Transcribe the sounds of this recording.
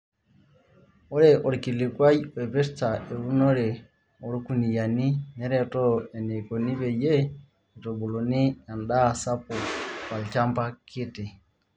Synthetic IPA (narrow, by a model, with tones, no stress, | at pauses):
ɔ˦ɾɛ˦ʔɔ˨ɾi˨ki˨li˨kwa˦i˦wɛ˨pɛ˦sta˨ɛ˨u˦nɔ˦ɾɛ˨ | ɔ˨ɾi˦ku˨ni˨ja˨ni˦nɛ˦ɾɛ˦tɔ˦ɛ˨nɛ˨kɔ˨ni˦βɛ˨jɛ˦ | i˨tɔ˨bu˨lɔ˨ni˦ja˨nda˦˨sa˦pu˨ka˨lt͡ʃa˦mpa˦kʰi˦tɛ˨